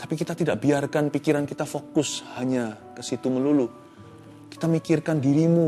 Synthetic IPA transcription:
t̪ḁpikit̪at̪idaʔ̚biarkanpikiɾankit̪afokʊshaɲa | kəsit̪uməlulu | ki̥t̪amikɪrkandiɾimu

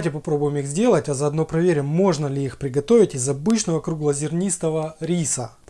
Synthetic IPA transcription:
tʲɪpɐpɾo̞bʊjɪmixzʲdʲe̞lˠətʲɐzɐːd̪no̞pɾɐvʲeɾʲɪəmːo̞ʐnəlʲɪixpɾʲɪɡɐt̪o̞vʲɪtʲɪzɐbɨt͡ɕnəvəkɾuɡlˠəzʲɪrnʲist̪əvəɾʲisə

